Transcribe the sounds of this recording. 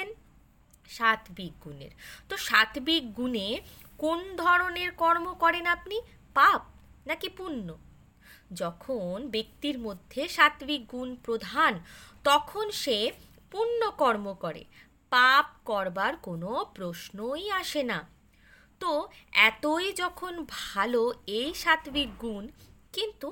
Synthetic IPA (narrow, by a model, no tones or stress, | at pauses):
en | ʃat̪bik̚ɡunḛɾt̪oʃat̪bikɡunekond̪ʱɔɾoneɾkɔɾmokɔɾenapni | pap̚ | nakipunːo | d͡ʑɔkʰonbek̚t̪iɾmod̪ʱːeʃat̪bik̚ɡunpɾod̪ʱant̪ɔkʰonʃe | punːokɔɾmokɔɾḛ | pap̚kɔɾbaɾkonopɾoʃnojaʃena | t̪oɛt̪ojd͡ʑɔkʰonbʱaloejʃat̪bik̚ɡunkint̪u